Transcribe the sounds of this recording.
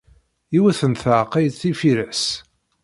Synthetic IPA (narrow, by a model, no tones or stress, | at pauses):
iwæθənθʕqæjd̪θifiɾæs